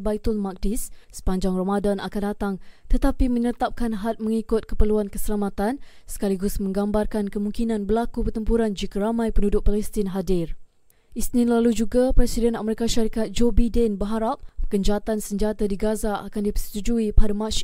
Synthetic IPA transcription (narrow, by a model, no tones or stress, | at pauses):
bajt̪ʊlmak̚dɪssə̥paɲd͡ʒaŋramadanakandat̪aŋt̪ət̪apimə̃ɲət̪ap̚kanɦat̪̚mə̃ŋikʊt̪̚kəpəluankəsəlamat̪an | sə̥kaliɡʊsmə̃ŋɡambarkankəmũŋkinãnbəlakupərt̪əmpuɾand͡ʒikaɾamãjpəndudʊk̚palɛst̪ɪnɦadɪr | ʔisnɪ̃nlalud͡ʒuɡapɾɛsidɛnameɾikaʃaɾikat̪̚d͡ʒobadɛnbəɦaɾap̚pːəkəɲd͡ʒat̪ansəɲd͡ʒat̪adiɡazaʔakandipəsə̥t̪ud͡ʒuipadamaʃ